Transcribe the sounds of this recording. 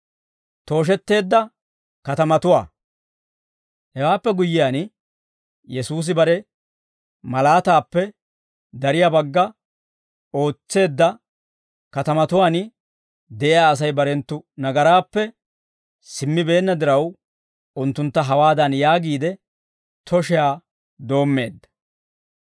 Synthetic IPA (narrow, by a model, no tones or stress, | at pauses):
t̪o̞ːʃ̬ɛt̪ːe̞ːd̪ːɐ | kɐt̪ɐmɐt̪ʊwa̰ː | hɛwaːpːɛɡʊjːɪjaːn | jɛsuːs̬ɪbɐɾɛ | mɐlaːt̪aːpːɛ | d̪ɐɾɪjabɐɡːɐ | o̞ːt͡sːe̞ːd̪ːɐ | kɐt̪ɐmɐt̪ʊwaːn | d̪ɛʔɪjaːs̬ɐjbɐɾɛnt̪ːʊnɐɡɐɾaːpːɛ | sɪmːɪbe̞ːnːɐd̪ɪɾɐw | ʊnt̪ːʊnt̪ːɐɦɐwaːd̪ɐnjaːɡiːd̪ɛ | t̪ʰɔʃɛjaː | d̪o̞ːmːe̞ːd̪ːɐ̥